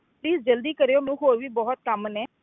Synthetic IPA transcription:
pliːsd͡ʒəld̪iːkəɾejoːmũːɦoːɾʋiːbɔːʊt̪̚kəmnɛː

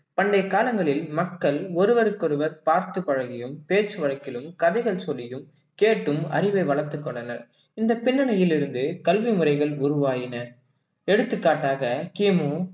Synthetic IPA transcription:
pɐɳɖɐɪkːaːlɐŋɡɐɭɪlmɐkːɐɭɔɾɯʋɐɾɯkːɔɾɯʋɐɾpaːɾt̪ɯpɐɻɐɣɪjɯmpeːt͡ʃːɯʋɐɻɐkːɪlɯmkɐðɐɪɣɐɭsɔlːɪjɯm | keːʈːɯmɐ̰ɾɪʋɐɪʋɐɭɐɾt̪ːɯkːɔɳɖɐnɐɾ | ɪnd̪ɐpɪɳːɐɳɐjɪlɪɾɯnd̪ɯkɐlʋimɯɾɐɪɣɐɭʊɾʊʋaːjɪnɐ | ɛɽɯt̪ːɯkːaːʈːaːɣɐkiːmuː

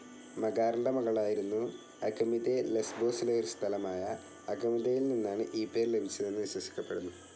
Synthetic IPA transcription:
mɐɡaːɾɳɖɐmɐɣɐɭaːjiɾunːu | ɐɡɐmiðelesbo̞ːsileoɾust̪ʰɐlɐmaːjɐ | ɐɡɐmiðejilninːaːɳɨʔiːpːe̞ːɾile̞bʱit͡ɕːɐðenːɨʋiɕwɐsi̥kʲːɐpːe̞ɽunːu

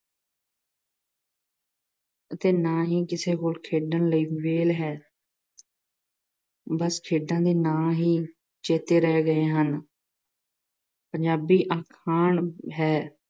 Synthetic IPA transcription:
ət̪eːnãːɦiːkɪseːɦoːlkʰeːɖənləiːʋeːlɦɛː | bəskʰeːɖãːd̪eːnãːɦiː | t͡ʃeːt̪eːɾɛːɡəeːɦən | pəɲd͡ʒaːbiːʔaːkʰaːɳɦɛː

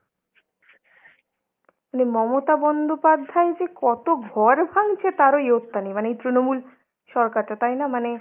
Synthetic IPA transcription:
manemɔmot̪abɔnd̪ʱopad̪ʱːaed͡ʑekɔt̪oɡʱɔɾbʱaŋt͡ɕʰet̪aɾojot̪ːanimaneejt̪ɾinomul | ʃɔɾkaɾʈat̪ajnamane

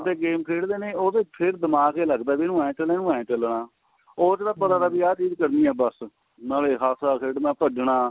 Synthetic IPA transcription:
t̪eːɡeːmkʰeːɽd̪eːneːoːt̪eːpʰɪɾd̪əmaːkeːləɡd̪aːbiːnũːaːẽːt͡ʃəlẽːnũːãːẽːt͡ʃəlɳaː | oːt͡ʃəd̪aːpət̪aːd̪aːbiːaːt͡ʃiːzkəɾniːɛːbəs | naːleːɦaːsaːkʰeːɽnãːpəɖɳaː

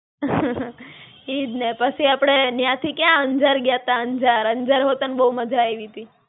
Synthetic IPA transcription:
id̪nepət͡ʃʰiapɽ̃enjãt̪ʰikjãənd͡ʒəɾɡjat̪ãənd͡ʒaɾənd͡ʒəɾɦot̪ənbəɦuməd͡ʒʱaeʋit̪i

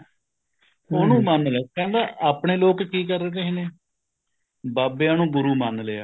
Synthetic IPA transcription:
oːnũːmənleakɛ̃ːnd̪aːʔaːpɳeːloːkkiːk̬əɾet̪eɦineː | baːbeːaːnũːɡʊɾuːmənleːa̰ː

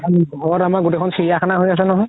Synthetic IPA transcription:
anbɔɹamaɡotekʰɔnsiɹijakʰanaɦojas̬ɛnɔɦɔj

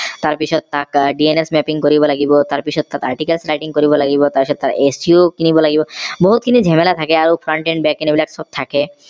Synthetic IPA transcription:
t̪aɾpiʃʰot̪t̪akɖienesmɛpiŋkoɾibolaɡibot̪aɾpiʃʰot̪̚t̪ːat̪a̰ɾʈikalsɾajʈiŋkoɾibolaɡibot̪aɾpiʃʰɔt̪̚t̪aɾesiokinibolaɡiboboɦut̪̚kinid͡ʑʱɛmelat̪ʰakeaɾowfʰɾaɳʈenbɛkinebilɛksɔb̚t̪ʰake

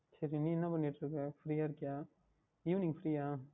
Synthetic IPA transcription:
sɐɾiniːɛnːɐpɐɳːiʈːɾɯkːɐfɾiːjaːɪɾɯkːjaː | iʋɐnɪŋfɾiːjaː

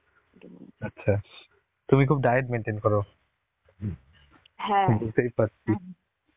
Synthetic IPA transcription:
ɐtːɕʰa | t̪umikʰub̚ɖajeɖ̚meɳʈenkɔɾo | ɦdut̪ajpatːi

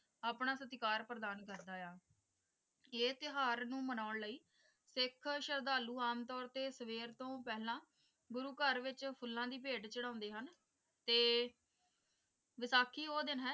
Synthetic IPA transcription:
aːpɳaːsət̪ɪkaːɾpɾəd̪aːnkəɾd̪aːjaː | eːt̪ɪɦaːɾnũːmənaːʊɳləiː | sɪkʰʃəɾd̪aːluːaːmt̪ɔːɾt̪eːsəʋeːɾt̪õːpɛːɦlãː | ɡʊɾuːkəɾʋɪt͡ʃpʰʊlːãːd̪iːpeːʈt͡ʃəɽãːnd̪eːɦən | t̪eː | ʋɪsaːkʰiːoːd̪ɪnɦɛː

